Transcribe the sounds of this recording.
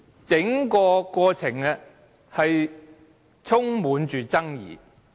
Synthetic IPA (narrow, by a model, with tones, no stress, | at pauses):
t͡sɪ˨˥ŋkɔː˧kɔː˧t͡sʰɪ˨˩ŋɛ˧ | hɐ˨j | t͡sʰʊ˥ŋmuː˨˧˥nt͡ʃyː˨t͡sɐ˥ŋjḭː˨